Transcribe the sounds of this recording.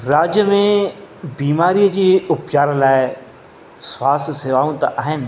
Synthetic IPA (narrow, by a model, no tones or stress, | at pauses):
ɾaːd͡ʒjəmẽbiːmaːɾijd͡ʒiʊpt͡ʃaːɾlaːe | swaːst̪ʰəseːʋaːũt̪aʔaɦen